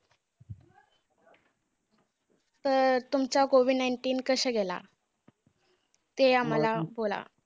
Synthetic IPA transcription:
t̪əɾt̪umt͡ɕakoʋiɖnajɳʈiːnkəɕeɡela̰ | t̪eamalabola̰

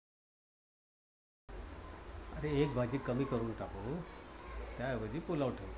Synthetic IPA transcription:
əɾeek̚bʱad͡ʑiːkəmiːkəɾuːnʈako | t̪jaʋəd͡ʑiːpolawʈʰeʋ

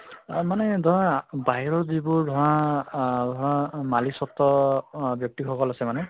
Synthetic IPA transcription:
manedʱɔɹãbaɦiɹɔɹzibʊdʱɔɹã | dʱɔɹãmalisɔt̪ːɔbjɔk̚t̪ikʰɔkɔlasɛmanɛ

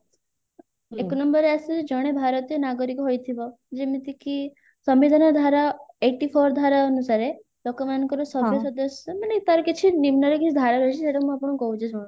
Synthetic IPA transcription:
ekɔnɔmbɔɾeasud͡ʒed͡ʒɔɽ̃ebʱaɾɔt̪iɔnaɡɔɾikoɦojt̪ʰibɔ | d͡ʒemit̪iki | sɔmʋid̪ʱanɔd̪ʱaɾaeʈipʰɔɾd̪ʱaɾaɔnusaɾe | lokɔmankɔɾɔsɔbjɔsɔd̪ɔsjɔmanet̪aɾɔkit͡ʃʰinimnɔɾɔkit͡ʃʰid̪ʱaɾaɾɔɦit͡ʃʰiseʈamũapɔɽ̃ukɔɦũd͡ʒʰed͡ʒɔɽ̃

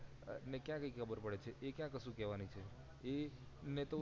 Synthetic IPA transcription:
nekjãkəikʰəbəɾpəɽet͡ʃʰeʔekjãkəʃũkɛʋanit͡ʃʰe | e | net̪o

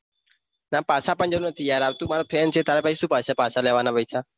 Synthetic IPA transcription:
naːpaːsaːpənd͡ʒoɾːnət̪ʰiːjaːɾaːt̪ũːmaːɾoːpʰeːnt͡ʃʰeːt̪aːɾeːpaːiːsũːpaːsaːpaːsaːleːʋaːnaːpəisaː

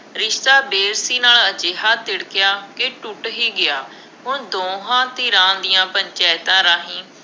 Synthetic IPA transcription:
ɾɪʃt̪aːbeːɾsiːnaːləd͡ʒeːɦaːt̪ɪɽkɪjaːkeʈʊʈɦiːɡɪjaː | ɦʊnd̪oːɦãːt̪iːɾãːd̪ɪjãːpəɲt͡ʃɛːɪt̪ãːɾaːɦĩː

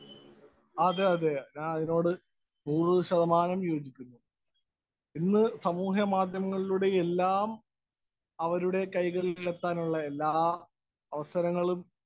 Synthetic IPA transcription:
ɐðɨɐðeɲaːnɐðino̞ːɽɨ | nuːrɨɕɐðɐmaːnɐmjo̞ːd͡ʑikʲːunːu | inːɨsɐmuːɦɐmaːd̪ʱjɐmɐŋːɐɭiluɽe̞elːaːm | ɐʋɐɾuɽe̞kɐjɣɐɾilet̪ːaːnuɭːɐe̞lːaː | ɐʋɐsɐɾɐŋːɐɭum

